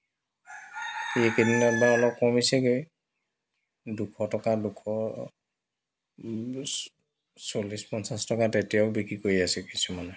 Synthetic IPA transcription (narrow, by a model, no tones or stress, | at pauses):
iekeninɛbaɔlɔp̚kɔmisɛke | dukʰɔtɔkadukʰɔ | solispɔnsastɔkatetijaʊbikɹikoɹiasɛkisumanɛ